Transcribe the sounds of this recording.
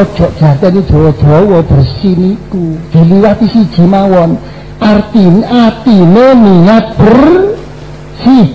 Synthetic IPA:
ɔd̥ʒ̥ɔ̤ʔd̥ʒ̥a̤t̪ɛni̥ʒ̥ɔ̤wɔd̪̥ɔ̤wɔb̥ərsinikud̪̥e̤liwat̪isid̥ʒ̥i̤mawɔn | art̪inat̪ineniŋat̪̚b̥ər | si

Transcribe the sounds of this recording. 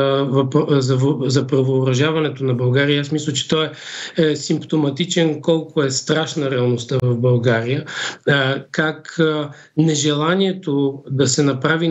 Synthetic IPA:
vɐpzɐvozɐpɾɐvoːɾɐʒavɐnɛt̪onɐbɐlˠɡaɾijəasmislʲɐt͡ʃɛ̥t̪ɔɛɛsimpt̪omɐt̪it͡ʃɛnkɔlˠkʊɛst̪ɾaʃnəɾɛɐlˠnost̪avɐvbɐlˠɡaɾijə | kak | nɛʒɛlˠaniɛt̪od̪ɐsɛnɐpɾavi

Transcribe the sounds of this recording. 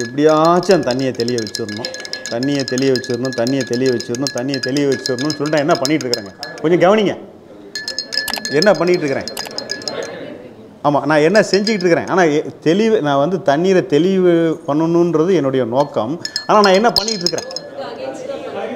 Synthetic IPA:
ɪp̬ːɐɽɪjat͡ʃːãt̪ɐnːɪjɐt̪ɛlɪjɐʋɐt͡ʃːɯɾɯnʊ̃t̪ɐnːɪjɐt̪ɛlɪʋɐʋɛt͡ʃːɯɾɯnʊ̃t̪ɐnːɪjɐt̪ɛlɪjɐʋɐt͡ʃːɯɾɯnʊ̃t̪ɐnːɪjɐt̪ɛlɪʋɐʋɛt͡ʃːɯɾnʊ̃nːɯsɔlːʈːnãːɛnːɐpɐɳːɪkɪʈːɾɯkːɾaːŋɡɐkɔɲd͡ʒɔ̃ɡɐʋɐnɪŋɡɐ | ɛnːɐpɐɳːɪkːɪʈːɾɯkːɐɾḛ̃ː | aːmːaːnãːɛnːɐsɛɲd͡ʒɪkːɪʈ̬ːɾɯkːɾḛ̃ːʔa̰ːnaːt̪ɛlɪʋɯnãːʋɐnd̪ɯt̪ɐnːiːɾɐt̪ɛlɪʋɯpɐɳːɯnːʊ̃nrɐðɯɛnːɯɽɐjɐnoːkːɐmaːnaːnãːɛnːɐpɐɳːɪkːɪʈ̬ːɾɯkːɯɾḛ̃ː

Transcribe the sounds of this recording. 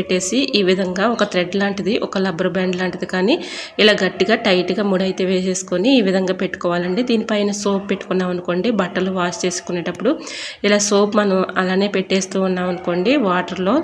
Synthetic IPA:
eʈːe̞ːsiʔiːʋid̪ʱɐŋɡaːɔkɐt̪ɾeɖlaːɳʈid̪iʔɔkɐlɐbɐɾɐbaːɳɖlaːɳʈid̪ikaːniːilaːɡɐʈːiɡaːʈɐjʈiɡaːmuɽɐjt̪e̞ːʋeːse̞ːsu̥koniːʋid̪ʱɐŋɡaːpeʈːu̥kɔːʋaːlɐɳʈeːd̪iːnipɐːjnɐsoːppe̞ʈːu̥kunːaːmɐnuko̞ːɳɖiːbɐʈːɐluʋaːst͡ʃe̞ːsu̥kunːeːʈɐpːuɽu | ilaːsoːpmɐnɐmɐlaːne̞ːpeʈːe̞ːst̪uːunːaːmɐnuko̞ːɳɖiʋaːʈɐɾlo̞ː

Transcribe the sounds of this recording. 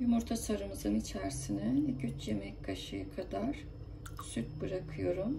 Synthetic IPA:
jumuɾt̪ʰasaɾɯmɯzɯnit͡ʃʰæɾsinɛɟyt͡ʃjemɛckʰaʃɯjakʰad̪aɾ̥ | syt̪̚bɯɾakʰɯjo̞ɾum

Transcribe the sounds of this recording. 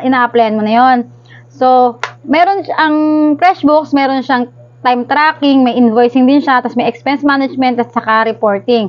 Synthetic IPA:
ʔɪnaːʔɐplɛjɐnmonɐjo̞n | so̞mɛːɾonʔɐŋfɾɛʃbʊksmɛːɾonʃaŋ | t̪ajmt̪ɾaːkɪŋmɐjʔɪnvojsɪŋd̪ɪnʃat̪ɐsmɐjʔɛkspɛnsmaːnɐd͡ʒmɛnt̪ʔɐt̪sɐkaɾɛpo̞ɹt̪ɪŋ

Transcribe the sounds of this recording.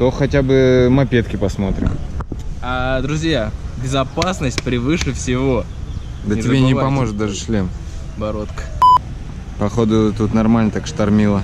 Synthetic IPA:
t̪oxɐtʲabɨmɐpʲet̪kʲɪpɐsmo̞t̪ɾʲɪ̰m | ad̪ɾʊzʲjabʲɪzɐpasnəsʲtʲpɾʲɪvɨʂɨfsʲɪvo̞ | d̪ənʲɪbʲenʲɪpɐmo̞ʐɨt̪̚d̪aʐɨʂlʲem | bɐɾot̪kə̥ | pɐxo̞d̪ʊt̪ut̪nɐrmalʲnət̪akʂt̪ɐrmʲilˠə

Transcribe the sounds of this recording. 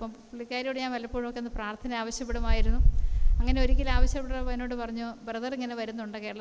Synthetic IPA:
pːɐm | uɭːikʲːaːɾiuɽejaːnʋɐlɐpːoːɻmokːenːɨpraːrt̪ʰɐnɐaːʋɐɕjɐpːeɽumaːjiɾunːuɐŋːɐne̞o̞ɾikʲːilaːʋɐɕjɐpːeɽɐɐponːo̞ːɽːɨpɐrɐɲːoːbrɐðɐriŋːɐne̞ʋɐɾunːuɳɖɨke̞ːɽɐɭ

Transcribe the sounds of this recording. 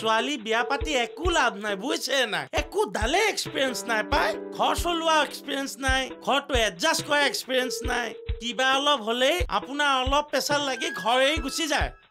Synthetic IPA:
sʊalibijapatiekulabʱnajbujsʰena̰jekud̪aleekspiɹiɛnsnajpajɡʱɔɹsoluaekspiɹiɛnsnajɡʱɔɹtʊɛzaskɔɹaekspiɹiɛnsnajkibaɔlɔbɦoleja̰pʊnaɔlɔb̚pːɛsadlaɡitɡʱɔɹejɡusizaj

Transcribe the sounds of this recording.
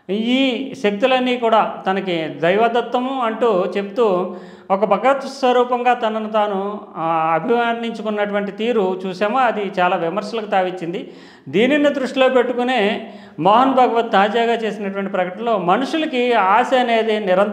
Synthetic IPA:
iːʃek̚t̪ulɐnːiːkuːɽaːt̪ɐnɐkid̪ɐjʋɐd̪ɐt̪ʋɐmɐɳʈuːt͡ʃe̞pu̥t̪uː | ɔkɐbʱɐɡɐt̪ɐsʋɐɾuːpɐŋɡaːt̪ɐnɐnut̪aːnu | ɐbʱiʋɐniɲt͡ʃukunːɐʈuʋɐɳʈit̪iːɾut͡ʃuːsɛːmoːɐd̪it͡ʃaːlaːʋimɐɾʃɐlɐkut̪aːʋiɲt͡ʃːind̪i | d̪iːninːɐd̪ɾuʂʈilo̞ːpe̞ʈːukuneː | mɔːɦɐnbʱɐɡɐʋɐt̪̚t̪aːd͡ʒaːɡaːt͡ʃe̞ːsinɐʈuʋɐɳʈ̬ipɾɐkɐʈɐnlo̞ːmɐnuʂulɐkiaːsɐɐne̞ːd̪enɪɾɐn

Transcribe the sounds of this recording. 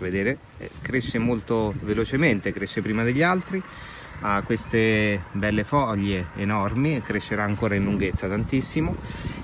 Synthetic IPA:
ved̪eːɾe | ɛ̰kɾeʃːemolt̪ovelot͡ʃement̪ekɾeʃːepɾiːmad̪eʎːalt̪ɾi | akːwest̪ebɛlːefɔʎːeːnɔrmikːɾeʃːeɾaːŋkoːɾainluŋɡet̪sːat̪ant̪isːimo

